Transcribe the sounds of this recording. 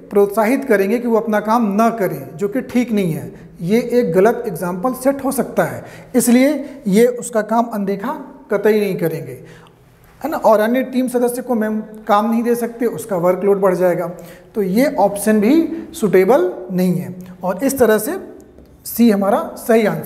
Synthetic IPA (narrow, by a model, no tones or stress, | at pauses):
pɾoːt̪saːɦɪt̪kɐɾẽːŋɡekiʋoɐpnakaːmnɐkɐɾẽːd͡ʒoːkeʈʰiːknɐɦĩɦɛː | jeʔeːkɣɐlət̪ɪɡzãːmpəlsɛʈɦosɐk̚t̪aɦɛːɪsliejeʔʊskakaːmɐ̃nd̪eːkʰakɐt̪əinɐɦĩkɐɾẽːŋɡeː | nʔɔːɾɐnjeʈiːmsɐd̪əsjəkomɛ̃ːkaːmnɐɦĩd̪eːsɐk̚t̪eʊskaʋɐɾkloːʈbɐɽ̤d͡ʒaːeːɡaːt̪ojeʔɔːpʃənbʱisuʈeːbəlnɐɦĩɦɛːɔːɾɪst̪ɐɾəɦse | siːɦɐmaːɾasɐɦiãːn